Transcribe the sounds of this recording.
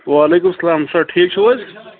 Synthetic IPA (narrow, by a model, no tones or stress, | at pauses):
ʋaːleːkʊmsɐlaːmsɐʈʰiːk̚t͡ʃʰeʋɐs